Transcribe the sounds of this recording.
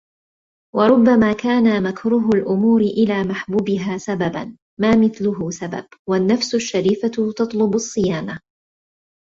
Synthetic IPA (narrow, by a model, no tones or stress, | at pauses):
wɑɾˤʊbːamaːkaːnamakɾuːɦʊlʔʊmuːɾɪʔɪlaːmaħbuːbɪɦaːsababa̰n | maːmɪθlʊɦʊːsaba̰bwanːafsʊʃːaɾiːfat̪ɑt̪ˤlʊbʊsˤːɨjaːna